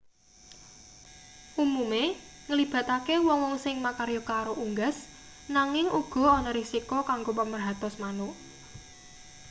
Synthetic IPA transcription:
ʔumumeŋəlib̥ä̤t̪akewɔŋwɔŋsɪŋmakaɾjokaɾoʔuŋɡas | naŋɪŋuɡ̥ɔ̤ɔnɔɾisikokaŋɡopəmərɦat̪ɔsmano

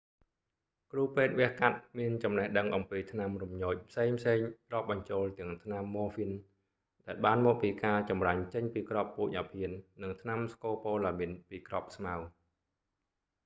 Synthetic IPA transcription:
kruːpeːt̪̚ʋɛ̆əhkat̪̚miənt͡ɕɑmnəhɗəŋʔɑmpiːt̪ʰnamrumɲoːc̚pʰseːŋpʰseːŋrŏːp̚ɓɑɲt͡ɕoːlt̪ɨ̆əŋt̪ʰnamːoːfin | ɗaɛlɓaːnmɔːk̚piːkaːt͡ɕɑmraɲt͡ɕəɲpiːkropːuːc̚ʔapʰiənːɨŋt̪ʰnamskoːpoːlaminpiːkrop̚smaw

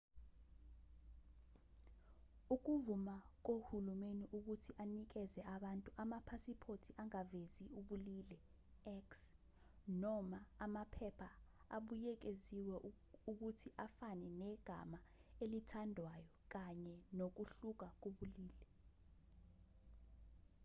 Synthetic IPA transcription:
uk̬uvumak̬ohulumeniʔuk̬utʰiʔanik̬ɛzɛʔaɓantʼuʔamapʰasipʰotʰiʔaŋaveziuɓulilɛ | ɛks | nɔmaamapʰɛpʰa | aɓujɛk̬eziwɛ | uk̬utʰiʔafanɛnɛɡ̥ʱa̰maelitʰandʱwajɔk̬aɲɛnok̬uɬuk̬ak̬oɓuliːlɛ

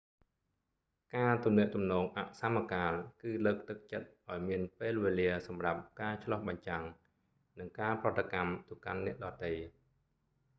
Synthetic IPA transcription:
kaːt̪umnɛ̆əʔt̪umnɔːŋʔa̰ʔsamːakaːlkɨːləːk̚t̪ɨk̚t͡ɕət̪̚ʔaɔjmiənpeːlʋeːliəsɑmrap̚kaːt͡ɕʰlɑhɓɑɲt͡ɕaŋ | nɨŋkaːprŏət̪ːakamt̪uka̰nːɛ̆əʔɗɑːt̪əj

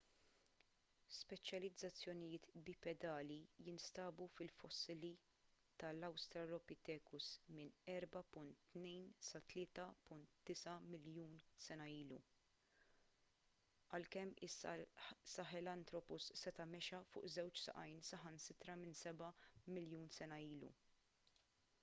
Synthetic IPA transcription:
spɛt͡ʃjɐlɪd͡zːɐt͡sːjɔnɪjɪːt̪bɪpɛd̪ɐːlijɪnst̪ɐːbufɪlfɔsːɪli | t̪ɐlɐwst̪ɾɐɾɔpɪt̪ɛːkʊsmɪnɛɾbɐpʊnt̪ːnɛjnsɐt̪lɪːt̪ɐpʊnt̪d̪̥ɪsɐmɪljuːnsɛnɐiːlṵ | ʔɐlkɛmːɪsɐ̰sɐħɛlɐnt̪ɾɔpʊsːɛt̪ɐmɛʃɐfʊ̰ːʔzɛwt͡ʃsɐ̰ʔɐjnsɐħɐnsɪt̪ɾɐmɪnsɛbɐmɪljuːnsɛnɐiːlṵ

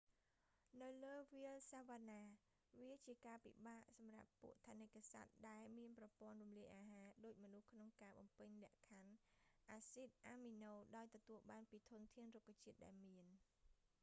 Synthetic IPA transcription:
nɨwləːʋiəlsaʋaːnaː | ʋiət͡ɕiəkaːpḭɓaːʔsɑmra̰pːṵəʔt̪ʰanɨkːasa̰t̪̚ɗaɛlmiənprɑpŏənrumliəjʔaːɦaːɗoːc̚mɔnuhkʰnoŋkaːɓɑmpɨɲlɛ̆əʔkʰanʔaːsit̪̚ʔaːminoːɗaɔjt̪ɔt̪uəlɓaːnpiːt̪ʰʊnt̪ʰiənrukʰːat͡ɕiət̪̚ɗa̰ɛlmiən

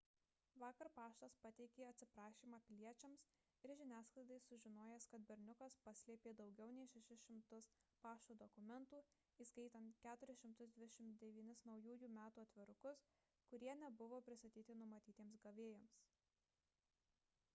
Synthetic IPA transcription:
ʋɑːkɐɾpɑːʃt̪ɐspɐt̪ʲɛɪkʲeːɐt̪ʲsʲɪpɾɑːʃʲiːmɑːpʲɪlʲiɛt͡ʃʲɛms | ɪɾʒʲɪnʲæːsklˠɐɪd̪ɐɪsʊʒʲɪnoːjɛskɐt̪̚bʲɛɾʲnʲʊkɐspɐsʲlʲiɛpʲeːd̪ɒʊɡʲɛʊnʲɛɪʃʲɛʃʲɪsʃʲɪmt̪ʊspɑːʃt̪uːd̪ɔkʊmʲɛnt̪uː | iːskɐɪt̪ɐnt̪kʲæːt̪ʊɾʲɪsʃʲɪmt̪ʊzd̪ʲʋʲɪd̪ʲɛʃʲɪmt̪d̪ʲɛʋʲiːnʲɪsnɒʊjuːjuːmʲæːt̪uːɐt̪ʲʋʲɪɾʊkʊs | kʊɾʲiɛnʲɛbʊʋoːpʲɾʲɪst̪ɐt̪ʲiːt̪ʲɪnʊmɐt̪ʲiːt̪ʲemsɡɐʋʲeːjoːms

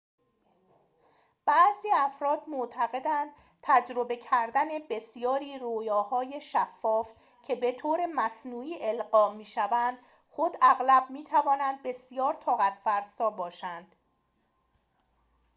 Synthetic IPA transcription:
b̥æʔziːæfɾɒːd̪moʔt̪ʰæɣe̞d̪ænd̪̥̚ | t̪ʰæd͡ʒɾo̞be̞cʰæɾd̪æne̞be̞sjɒːɾiːɾoːjɒːhɒːje̞ʃæfːɒːf | cʰe̞be̞t̪ʰoːɾe̞mæsnuːiːʔe̞lɢɒːmiːʃævænd̪̥ | xod̪æɣlæb̚miːt̪ʰævɒːnænd̪̚be̞sjɒːɾt̪ʰɒːɣæt̪ʰfæɾsɒːbɒːʃænd̪̥

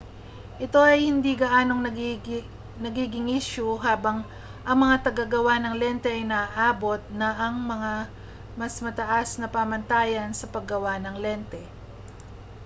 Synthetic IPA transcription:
ʔɪt̪o̞ʔɐjhɪnd̪iɡɐʔaːno̞ŋnɐ | nɐɡiːɡɪŋiːʃʊɦaːbɐŋ | ʔɐŋmɐŋat̪ɐɡaɡɐwanɐŋlɛnt̪ɛʔɐjnɐːʔaːbo̞t̪̚nɐʔɐŋmɐŋa | mɐsmɐt̪ɐʔasnɐpamɐnt̪aːjɐnsɐpɐɡɐwanɐŋlɛnt̪ɛ

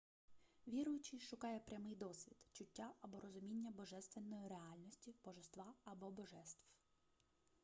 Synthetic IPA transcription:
ʋʲiɾʊjʊt͡ʃɪʃʊkɑjɛpɾʲɐmɪjd̪ɔsʋʲid̪̥t͡ʃʊtʲːaʔɐbɔɾɔzʊmʲinʲːɐbɔʒɛst̪ʋenːɔjiɾeɑlʲnɔsʲtʲib̥ɔʒest̪ʋɑɐbɔbɔʒɛst̪ʋ

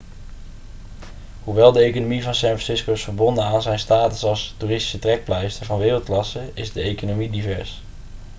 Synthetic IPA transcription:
ɦuʋɛlˠdəejkonomivɑnsɛnfɹɑnsɪskoɪsfəɹbɔndənaːnzɛjnstaːtəsɑlˠstuːrɪsti̥sətrɛk̚plɛjstəvɑnʋɪːrəlˠt̚klɑsəɪzdəejkonomidivɛɹs

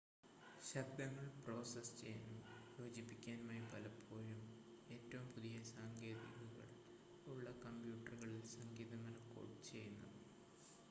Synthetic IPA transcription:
ɕɐbd̪ɐŋːɐɭpro̞ːsɐst͡ɕe̞junːujo̞ːd͡ʑipːikʲːaːnmaːjipɐlɐpʰːo̞ːjum | e̞ːtːɐʋumpuðijɐsaːŋɡe̞ːðḭɣɐɣɐ̰ɭ | uɭːɐkɐmbjuːʈːɐrɣɐɭilsɐŋɡiːðɐmɐnɐko̰ɽt͡ɕe̞junːṵ

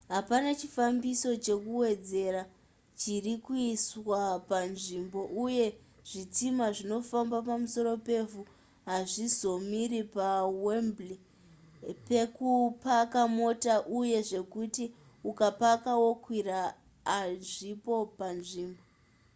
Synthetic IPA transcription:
ɦapanat͡ʃifambiso̞t͡ʃe̞kuwe̞d͡ze̞ɾa | t͡ʃirikuiswapanʐimbo̞ʔuje̞ | ʐ̥it͡simaʐino̞fambapamuso̞ɾo̞pe̞fu | ɦaʐizo̞miɾipawembli | pe̞kupakamo̞taʔuje̞ʐe̞kuti | ukapakawo̞kwiraː | ʐipo̞panʐiːmbo

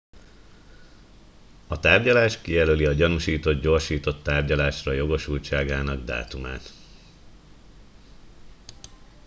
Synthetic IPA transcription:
ɒt̪aːrɟɒlaːʃkijɛløliɒɟɒnuʃiːt̪o̞d̪ɟo̞ːrʃiːt̪o̞t̪ːaːrɟɒlaːʃrɒjo̞ɡo̞ʃult͡ʃaːɡaːnɒɡd̪a̰ːt̪uma̰ːt̪

